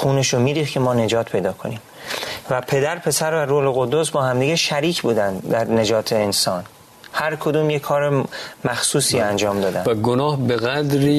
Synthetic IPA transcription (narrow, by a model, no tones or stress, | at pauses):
xuːneʃomiːɾiːxkʰe̞mɒːne̞d͡ʒɒːt̪ʰpʰe̞jd̪ɒːkʰo̞niːm | væpʰe̞d̪æɾpʰe̞sæɾvæɾoːle̞ɣo̞d̪osbɒːhæmd̪iːɟeʃæɾiːcʰbuːd̪ænd̪d̪æɾne̞d͡ʒɒːt̪ʰeːnsɒːn | hæɾkʰo̞d̪uːmjekʰɒːɾemæxsuːsiːænd͡ʒɒːmd̪ɒːd̪ænvæɡonɒːhbeɣæd̪ɾiː